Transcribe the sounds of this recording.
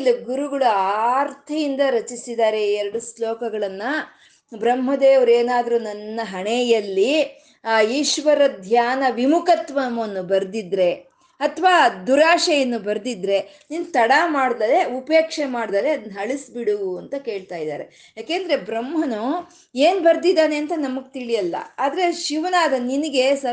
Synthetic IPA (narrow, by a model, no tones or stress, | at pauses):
lːɐɡuɾuɡɐɭuaːɾt̪ʰɐjind̪ɐɾɐt͡ʃisid̪aːɾe̞ɛɾɐɽuslɔːkɐɡɐɭɐnːɐ | bɾɐmɦɐd̪eːʋɐɾeːnaːd̪ɐɾunɐnːɐɦɐɳejɐlːi | jiːʃʋɐɾɐd̪ʱjaːnɐʋimukɐt̪ʋɐmɐnːubɐɾd̪id̪ɾe̞ | ɐt̪ʰʋaːd̪uɾaːʂɐjɐnːubɐɾd̪id̪ɾe̞ | nint̪ɐɽamaːɽd̪ɐle̞upeːkʂemaːɽd̪aːleɐd̪ɐnːɐɦɐɭisbiɽuɐnt̪ɐke̞ːɭt̪aːjid̪a̰ːɾe̞ | jaːkeːnd̪ɐɾe̞bɾɐmɦɐnu | eːnbɐɾd̪id̪aːne̞ɐnt̪ɐnɐmɐɡt̪iɭijɐlːɐ̰aːd̪ɐɾe̞ʃiʋɐnaːd̪ɐninɐɡe̞sɐ